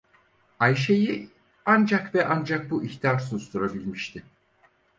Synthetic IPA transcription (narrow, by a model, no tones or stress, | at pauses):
ajʃe̞ji | and͡ʒakvɛʔand͡ʒak̚buʔiçt̪ʰijaɾsust̪uɾabilʲmiʃt̪ʰɪ